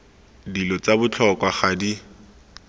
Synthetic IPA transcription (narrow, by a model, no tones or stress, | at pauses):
dilɔt͡sabʊt͡ɬʰɔkwaχadi